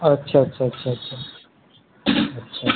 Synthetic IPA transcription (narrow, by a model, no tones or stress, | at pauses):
ɐtːɕʰaɐtːɕʰaətːɕʰatːʰa | ətːɕʰa